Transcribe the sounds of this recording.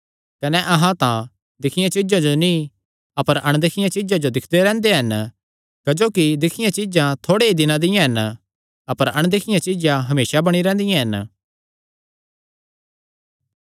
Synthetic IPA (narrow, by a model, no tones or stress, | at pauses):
kɐnɛʔɐɦãt̪ã | d̪ɪkʰɪjãt͡ʃɪd͡ʒãd͡ʒonĩ | ɐpəɾɐɽ̃d̪ɪkʰɪjãt͡ʃɪd͡ʒãd͡ʒod̪ɪkʰd̪eɾɛ̃ːnd̪eɦɐn | kɐd͡ʒoːkid̪ɪkʰɪjãt͡ʃɪd͡ʒãt̪ʰoːɽeɦid̪ɪnãd̪ɪjãɦɐn | ɐpəɾɐɽ̃d̪ɪkʰɪjãt͡ʃɪd͡ʒãɦɐmeːsabɐɽ̃iɾɛ̃ːnd̪ɪjãɦɐn